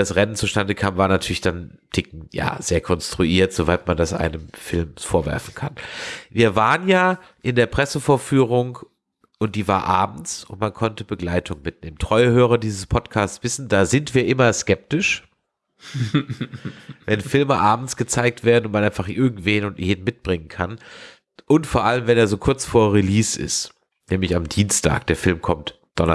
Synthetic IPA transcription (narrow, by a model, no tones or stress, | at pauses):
d̥asʁɛnənt͡suʃtandəkʰaːmvaːɐnatʰyɐlɪçd̥antʰɪk̚ŋ̩ja̰ːz̥eːɐkʰɔnstʁ̥uʔiːɐtz̥ovaɪtmandasʔa̰ɪnəmfɪlmsfoːɐvɛ̰ɐfn̩kʰanviːɐvaːʁənjaː | ʔɪndeːɐpʁ̥ɛsəfoːɐfyːʁ̞ʊŋ | ʔʊnt̚d̥iːvaːɐʔaːb̚m̩t͡sʊ̰ntmankʰɔntəbəɡlaɪtʰʊŋmɪt̚neːməntʁ̥ɔʏəhøːʁ̞ɐdiːzəspʰɔtkʰaːstt͡sv̥ɪsn̩daːzɪntv̥iːɐʔɪmɐskɛp̚tɪʃ | vɛnfɪlməʔaːbm̩t͡sɡ̥ət͡saɪk̚tv̥eːɐdnʊnt̚manʔaɪnfaχʔɪɐɡŋ̩tv̥eːnʊntʔeːdn̩mɪt̚b̥ʁɪŋənkʰan | ʔʊntfoːɐʔaləmvɛneːɐzoːkʰʊɐt͡sfoːɐʁiliːsɪ̰st | nɛːmlɪçamdiːnstʰa̰ːk̚d̥eːɐfɪlmkʰɔmt | d̥ɔnɐ